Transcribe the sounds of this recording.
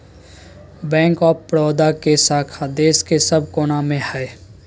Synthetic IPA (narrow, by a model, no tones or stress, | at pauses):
bɛ̃ːŋkɔːpɾɔːd̪akesaːkʰad̪eːskesəb̚koːnamẽhɛː